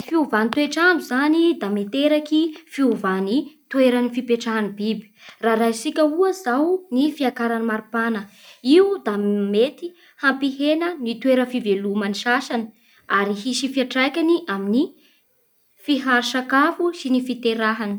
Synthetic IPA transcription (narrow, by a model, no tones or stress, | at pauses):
fiuvanit̪weʈ͡ʂanuzanid̪amet̪eɾakifiuvanit̪ueɾanifipeʈ͡ʂaɦanibibi̥raɾasikʲəuəzawnifiakaɾanimaɾupanə | iud̪amet̪i | hampiɦenənit̪weɾəfivelumaniʃaʃanə̥ | aɾiɦiʃifiaʈ͡ʂajkʲaniʔamini | fiɦaɾʃakafusinifit̪eɾaɦani̥